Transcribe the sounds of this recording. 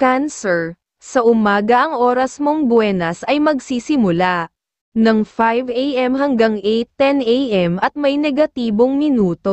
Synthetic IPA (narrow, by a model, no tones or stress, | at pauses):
kansɛɹ | sɐʔʊmaːɡɐʔɐŋʔo̞ːɾɐsmo̞ŋbʊwɛːnɐsɐjmɐɡsiːsɪmʊlaʔ | nɐŋfajvejʔɛmɦɐŋɡaŋʔɛjt̪ːɛnʔejʔɛmɐt̪̚mɐjnɛɡɐt̪iːbo̞ŋmɪnuːt̪o̞